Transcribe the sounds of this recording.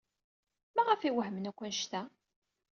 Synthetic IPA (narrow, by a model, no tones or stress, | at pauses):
mæʁəfiwəɦəmənækʷːənʃt̪æ